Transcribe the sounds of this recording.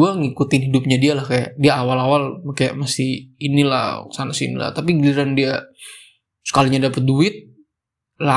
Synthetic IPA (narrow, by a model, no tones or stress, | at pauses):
uaŋikut̪ɪnɦidup̚ɲadialahkajaʔdiaːwalawalmakaja̰ʔmasɪhinila̰hsanasḭnḭla̰ht̪apiɡəliɾandia | sə̥kaliɲadapət̪̚duɪt̪̚ | la